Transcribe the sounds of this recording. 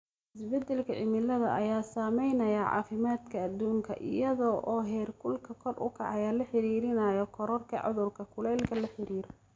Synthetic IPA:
ɪsbɛd̪ːɛlkʰɐʕɪmɪlɐðɐʔɐjaːsaːmɛjnɐjɐʕɑ̰ːfɪmaːd̪kʰɐːd̪uːŋkʰɐ̰ʔɪ̰jɐðɔʔɔːɦɛːrkʰʊlkʰɐkʰɔrʔʊ̰kʰɑʕɑjɐlɐħɪɾiːɾɪnɐjɔkʰɔɾɔrkʰɐ̰ʕʊ̰ðʊrkʰɐkʰʊlɛːlkʰɐlɐħɪɾiːɾɔ

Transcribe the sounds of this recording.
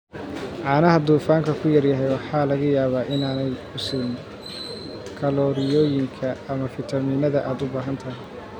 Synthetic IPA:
ʕɑːnɐɦɐd̪uːfaːŋkʰɐkʰʊjɐrjɐɦɛjwɑħɑːlɐɣɐjaːβaːʔɪnaːnɛjʊsʊːn | kʰɐlɔːɾɪjɔːjɪŋkʰɐɐmɐfɪt̪ʰɐmiːnɐðɐʔaːd̪ʊbaːɦɐnt̪ʰɐɦɪj

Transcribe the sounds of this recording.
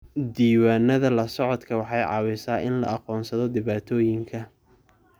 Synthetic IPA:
d̪iːwaːnːɐðɐlɐsɔʕɔd̪kʰɐwɑħɑjʕɑ̰ːwɪsaːʔɪnlɐ̰ɑqɔːnsɐðɔd̪ɪβaːt̪ʰɔːjɪŋkʰɐ

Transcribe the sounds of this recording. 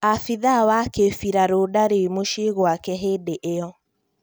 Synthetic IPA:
afiðawakefiɾaɾodaɾemoʃeɣwakɛɦedeʔeɔ

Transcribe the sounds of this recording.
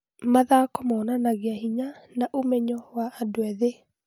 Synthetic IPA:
maðakɔmɔːnanaɣeahiɲanaʔomɛɲɔwaːdwɛðe

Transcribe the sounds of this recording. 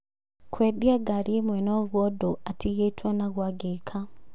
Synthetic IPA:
kʰwɛɗiaɡaɾimwɛnɔɣwɔdoatiɣetwanaɣwaɡekʰa

